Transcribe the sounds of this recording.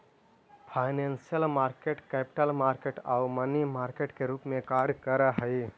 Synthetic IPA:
pʰaɪnensijəlmaɾkeʈkɛpi̥ʈəlmaɾkeʈaːumənimaɾkeʈkeɾupmẽkaɾkəɾəɦəɪ

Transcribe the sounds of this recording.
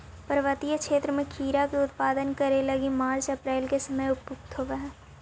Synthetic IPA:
pəɾəʋət̪ijəkʃeːt̪ɾəmẽkʰiːɾakeʊt̪paːd̪ənkɐɾelɐɡimaːɾt͡ʃɐpɾɛːlkesɐməjʊppʊkt̪ɦoːʋaɦɛː

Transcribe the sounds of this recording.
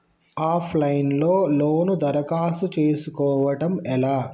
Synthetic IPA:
aːpʰlɐjinloːloːnud̪ɐɾɐkaːsut͡ʃeːsukɔːʋɐʈɐmɛlaː

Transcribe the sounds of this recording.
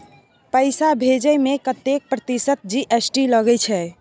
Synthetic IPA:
pəɪsabʱed͡ʒəjmekət̪jek̚pɾət̪isət̪̚d͡ʒiʔesʈiləɡɛt͡ʃʰɛ

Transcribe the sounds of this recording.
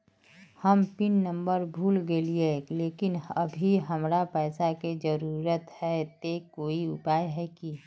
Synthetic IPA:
həmpɪnːə̃mbəɾbʱuːlɡeːlieleːkɪnəbʱiɦəmɾapɛːsaked͡ʒəɾuːɾət̪hɛt̪ekoːiʊpaːjɦɛki

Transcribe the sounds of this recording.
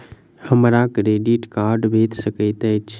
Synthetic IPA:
həmɾakɾeɖiʈkaɾɖbʱet̪səkəɪt̪ət͡ʃʰ

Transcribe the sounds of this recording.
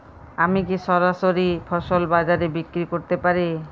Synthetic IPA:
amikiʃɔɾaʃoɾifʰɔʃolbad͡ʑaɾebikɾikoɾt̪epaɾi

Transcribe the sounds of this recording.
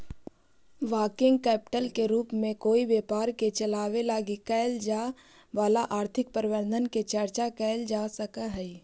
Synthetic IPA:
ʋaːkɪ̃ŋɡkɛːpɪ̥ʈəlkeɾuːpmẽkoːiʋjeːpaːɾket͡ʃəlaːʋelaːɡikɛːld͡ʒaː | ʋaːlaʔaːɾt̪ʰɪk̚pəɾɪʋəɾd̪ʱənket͡ʃəɾt͡ʃakɛːld͡ʒaːsəkaɦɛi

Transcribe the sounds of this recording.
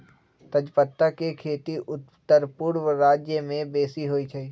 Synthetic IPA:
t̪ɐd͡ʒpət̪ːakekʰeːt̪iʔʊtt̪ːəɾpʊɽwəɾaːd͡ʒjəmẽbeːsiɦoːit͡ʃʰaiː

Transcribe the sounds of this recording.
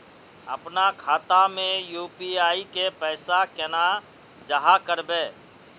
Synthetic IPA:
əpnakʰaːt̪amẽjuːpiaːikepɛːsakɛna | d͡ʒəɦakəɾbeː

